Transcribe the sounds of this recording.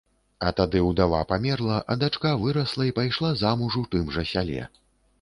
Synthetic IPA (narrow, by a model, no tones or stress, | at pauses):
ɐt̪ad̪ɨwd̪ava̰pamʲɛrlˠɐʔɐd̪at͡ʂkavɨɾɐslˠɐipajʂlˠazamuʐut̪ɨmʐɐsʲalʲɛ̰